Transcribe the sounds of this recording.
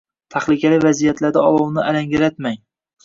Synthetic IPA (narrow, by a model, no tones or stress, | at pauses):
t̪ʰaχlɪkʲʰalɪvazijat̪lad̪aɒlˠɒwnɪalaŋɡʲaɾat̪maŋ